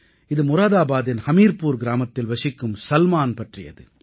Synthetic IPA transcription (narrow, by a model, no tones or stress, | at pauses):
ɪðɯmʊɾaːðaːbaːðɪnhɐmiːɾpuːɾɡɪɾaːmɐt̪ːɪlʋɐʂɪkːɯmsɐlmaːnpɐʈrɪ̰jɐ̰ðɯ̰